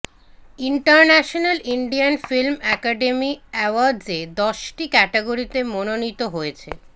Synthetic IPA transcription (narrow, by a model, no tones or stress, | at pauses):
iɳʈaɾnɛʃonaliɳɖianfilmɛkaɖemiɛwaɾd͡ʑed̪ɔʃʈikɛʈeɡoɾit̪emononit̪oɦojet͡ɕʰḛ